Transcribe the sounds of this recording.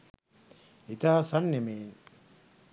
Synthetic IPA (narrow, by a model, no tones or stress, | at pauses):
it̪aːsanːemeːn